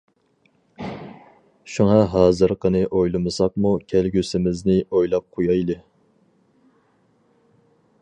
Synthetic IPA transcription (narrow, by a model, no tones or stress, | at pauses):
ʃuŋɑɦɑːzɨɾqʰənɨʔojlˠɨmɨsɑq̚mukʲʰælɡʲysɪmɪznɪojlˠɑp̚qʰojɑjlˠɨ